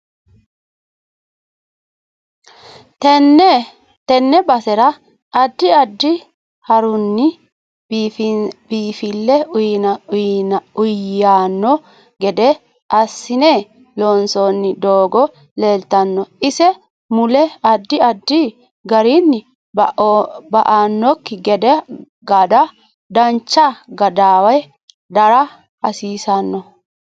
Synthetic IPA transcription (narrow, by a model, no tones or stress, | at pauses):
t̪ɛnːɛbɐsɛɾɐ | ɐd̪ːɪɐd̪ːɪ | hɐɾʊnːɪ | biːfɪlːɛʊjnɐnʊjaːnːɔ | ɡɛd̪ɛ | ʔɐsːɪne | loːnsɔnːɪd̪oːɡɔ | le̞ːlt̪ɐnːɔʔɪsɛ | mʊlɛɐd̪ːɪɐd̪ːi | ɡɐɾinːɪ | bʔbɐʔanːɔkːɪɡɛd̪ɛ | ɡɐd̪ɐ | d̪ɐnt͡ʃːaɡɐd̪aːwɐj | d̪ɐɾɐ | ɐsiːsɐnːɔ